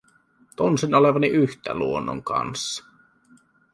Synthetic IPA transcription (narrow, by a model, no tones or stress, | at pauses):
t̪onsinoleʋɑniʔyht̪æ̰luonːo̰ŋkɑ̰nsːɑ̥